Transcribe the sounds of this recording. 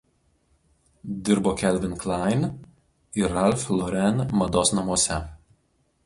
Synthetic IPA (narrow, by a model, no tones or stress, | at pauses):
d̪ʲɪɾboːkʲɛlʲʋʲɪnklˠɑɪn | ɪɾɐlʲfʲlˠɔɾʲɛnmɐd̪oːsnɐmuɔsʲɛ